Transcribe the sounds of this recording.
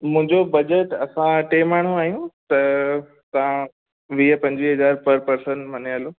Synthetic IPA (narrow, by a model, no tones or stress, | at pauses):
mʊ̃ɦɪ̃ɲd͡ʑobɐd͡ʑəʈɐsãʈeːmaːɽ̤ũaːijũt̪ɐ | t̪ɐʋã | ʋiːpɐ̃ɲd͡ʑʋiɦɐzaːɾpɐɾpɐɾsənmɐniəloː